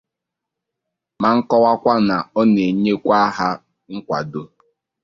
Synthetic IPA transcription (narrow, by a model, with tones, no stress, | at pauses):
ma˨ŋ̩˦kɔ˦wa˦kʷa˦na˨ɔ˦ne˨ɲe˦kʷa˦a˦ɦa˦ | ŋ̩˦kʷa̰˨do˦